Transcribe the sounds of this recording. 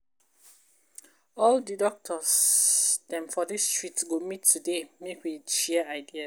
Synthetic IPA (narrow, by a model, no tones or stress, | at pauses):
ɔldidɔk̚tʰɔs | d̥ɛ̃nfɔdistɹitɡomitʰːudemekwiʃɛəaɪdia